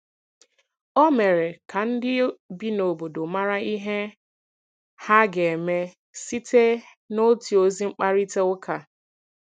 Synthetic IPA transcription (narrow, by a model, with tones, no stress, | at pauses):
ɔ˦me˨ɾe˨ka˨n̩˦dɪ˦bi˦no˨bo˨do˨ma˦ɾa˦i˦ɦe˦ | ha˦ɡe˨me˦ | si˦te˦ | no˦ti˨o˦zi˦ŋ͡m̩˦k͡pa˦ɾi˦te˦ʊ˦kʰa˨